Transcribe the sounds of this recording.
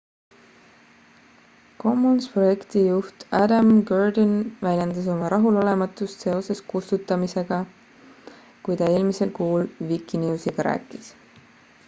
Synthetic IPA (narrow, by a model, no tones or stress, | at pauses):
ko̞mːonspro̞je̞kt̪ijuht̪æd̪ɑmɡɑrd̪onvælʲjend̪ɑs̬omɑɾɑɦulo̞le̞mɑt̪ːˑust̪se̞o̞se̞skust̪ut̪ːˑɑmise̞ɡ̥ɑ | kujt̪ɑe̞ːlmise̞lkuːlvikːˑinuːsiɡ̥ɑɾæ̰ːkːˑis